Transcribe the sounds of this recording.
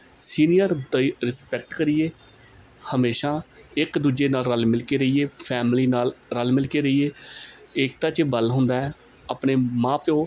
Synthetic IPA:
siːnijəɾd̪əɾɪspɛk̚ʈkəɾɪjeː | həmeːʃaːɪkd̪uːd͡ʒeːnaːlɾəlmɪlkeːɾəieːpʰɛːmliːnaːlɾəlmɪlkeːɾəiːeː | ɪkt̪ãːt͡ʃəbəlɦʊnd̪aːɛː | aːpneːmãːpõː

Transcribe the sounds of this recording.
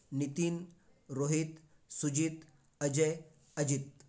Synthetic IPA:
nit̪in | ɾoɦit̪ | sud͡ʒit̪ | ɐd͡ʒəj | ɐd͡ʑit̪̚

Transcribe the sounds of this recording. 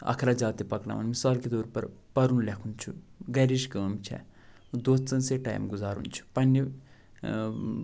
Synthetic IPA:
ɐ̰kʰɾad͡ʒaːt̪ipɐkna̰ṵnmisaːlked̪oːɾpɐɾpɐɾunlekʰunt͡ʃʰṵɡɐɾiʃkəːmt͡ʃʰɛ̰ | d̪oːt̪t͡sɐnseʈa̰ːjmɡuzaːɾṵnt͡ʃʰu̥pɐnːi

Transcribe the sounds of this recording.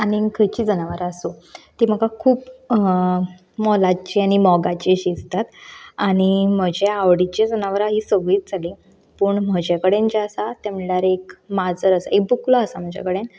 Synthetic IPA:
anikʰəjt͡ɕiːd͡zənaʋəɾasut̪im̤əɡakʰuːp | mɔlat͡ɕiaɽ̃imɔɡat͡ɕiɕist̪at̪aɽ̃im̤əd͡ʑeaʋɽit͡ɕad͡zənaʋəɾaɦiːsəɡɭiːt̪̚d͡zʱali | pəːɳm̤əd͡ʑakəɽẽnt͡ɕeəsat̪amljaɾekmad͡zəɾəsaek̚buklɔəsam̤əd͡ʑa̰kəɽen

